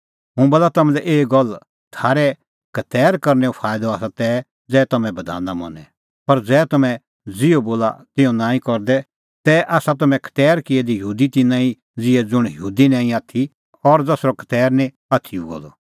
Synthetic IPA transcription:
ɦʊ̃bɐlat̪ɐmɛ̃lɛʔeːɡɔl | t̪ʰaːɾɛ | kɐt̪ɛːɾkɐɾnɛupʰaːɪd̪ɔaːsat̪ɛː | d͡zɛːt̪ɐmɛ̃bɐd̪ʱa̰ːnamɐ̰nɛ | pɐɾd͡zɛːt̪ɐmɛ̃ | d͡zɪoboːla̰t̪ɪ̃ɔ̃nãːĩkɔɾd̪ɛ | t̪ɛʔaːsat̪ɐmɛ̃kʰɐ̥t̪ɛːɾkɪɛd̪ijɦuːd̪it̪ɪnãːĩ | d͡zɪɛd͡zʊɽ̃jəɦuːd̪inãːĩaːt̪ʰi | ɔɾd͡zɛsɾɔkʰɐ̥t̪ɛːɾnĩ | aːt̪ʰiuɡo̰ːlɔ̰

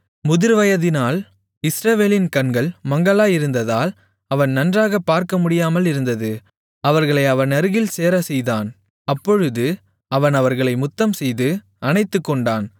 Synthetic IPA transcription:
mʊðɪɾʋɐjɐðɪnaːl | ɪsɾɐʋeːlɪnkɐnɡɐɭmɐŋɡɐɭaːɪɾɯnd̪ɐðaːl | ɐʋɐnnɐndraːɣɐpːaːɾkɐmʊɽɪjaːmɐlɪɾɯnd̪ɐðɯ | ɐʋɐɾɣɐɭɐɪɐʋɐnɐɾɯɣɪlseːɾɐsɛjðaːn | ɐpːɔɻɯðɯ | ɐʋɐnɐʋɐɾɣɐɭɐɪmʊt̪ːɐmsɛjðɯ | ɐnɐɪt̪ːɯkːɔɳɖaːn

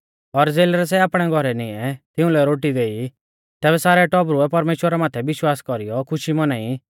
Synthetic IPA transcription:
ɔɾd͡zeːlɾɛsɛaːpɽ̃ɛɡʱɔɾɛniɛt̪ɪũlɛɾoːʈid̪eːi | t̪ɛːβɛsaːɾɛʈɔbɾʊɛpɐɾmeːʃwəɾamaːt̪ʰɛbɪʃwaːskɔɾijɔkʰʊʃimɔnaːi

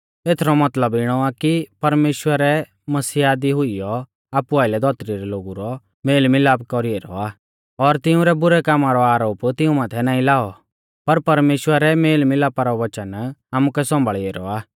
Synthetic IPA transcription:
eːt̪ʰɾɔmɐt̪ləbɪɽ̃ɔakipɐɾmeːʃwəɾɛ | mɐsiːaːd̪iɦʊijɔ | aːpʊaːɪlɛd̪ʱɔːt̪ɾiɾɛloːɡuɾɔ | meːlmɪlaːpkɔɾiɛɾɔ̰aː | ɔɾt̪ɪũɾɛbʊɾɛkaːmaɾɔaːɾoːpt̪ɪũmaːt̪ʰɛnaːĩlaːɔ | pɐɾpɐɾmeːʃwəɾɛmeːlmɪlaːpaɾɔʋɐt͡ʃənaːmukɛsɔ̃mbʱəɭieɾɔ̰aː

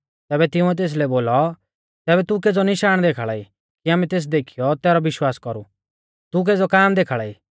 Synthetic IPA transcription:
t̪ɛːbɛt̪ɪʊ̃ɛt̪̬eːs̬lɛboːlɔ | t̪ɛːbɛt̪uk̬eːd͡zɔnɪʃaːɽ̃d̪eːkʰaɭaːi | kiaːmɛt̪eːs̬d̪eːkʰijɔt̪ɛːɾɔʋɪʃwaːskɔɾu | t̪uk̬eːd͡zɔkaːmd̪eːkʰaɭaːiː

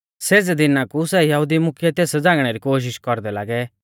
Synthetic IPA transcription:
seːd͡zɛd̪ɪnãkusɛjɐɦud̪imʊkʰjɛt̪eːsd͡zãːɡɽ̃ɛɾikoːʃ̬ɪʃkɔɾd̪ɛla̰ːɡɛ

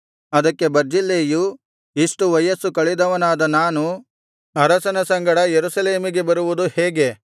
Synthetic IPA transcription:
ɐd̪ɐkːe̞bɐɾd͡ʒilːeːju | iʂʈuʋɐjɐsukɐɭid̪ɐʋɐnaːd̪ɐnaːnu | ɐɾɐsɐnɐsɐŋɡɐɽɐjeɾusɐleːmiɡe̞bɐɾuʋud̪uheːɡe̞

